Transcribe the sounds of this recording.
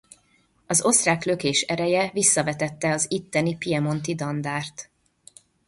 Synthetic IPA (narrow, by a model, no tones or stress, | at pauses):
ɒzo̞st̪raːkløkeːʃɛɾɛjɛvisːɒvɛt̪ɛt̪ːɛɒzit̪ːɛnipiɛmo̞nt̪id̪ɒnd̪aːrt̪